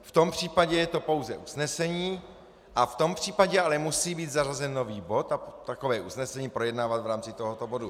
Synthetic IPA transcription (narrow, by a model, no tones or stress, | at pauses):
ft̪o̞mpr̝̥iːpaɟɛjɛt̪o̞po̞wzɛʔusnɛsɛɲiː | ʔaft̪o̞mpr̝̥iːpaɟɛʔalɛmusiːbiːd̪zarazɛnːo̞viːbo̞t̪at̪akovɛːʔusnɛsɛɲiːpɾo̞jɛdnaːvat̪vɾaːmt͡sɪt̪oɦot̪obo̞du